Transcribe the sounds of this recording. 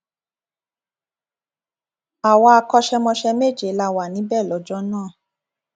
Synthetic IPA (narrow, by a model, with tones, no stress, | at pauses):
a˨wa˧˦a˧kɔ˧ʃɛ˧mɔ̃˧ʃɛ˧me˦˨d͡ʒe˨˦la˧wa˨nĩ˨˦bɛ˦˨lɔ˨˦d͡ʒɔ˦nãː˦˨